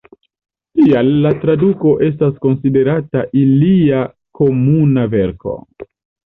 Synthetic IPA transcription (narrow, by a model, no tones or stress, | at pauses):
tialːatɾaduko̞ʔe̞s̬tasko̞nside̞ɾataʔilia | kʰo̞munave̞ɾko̞̰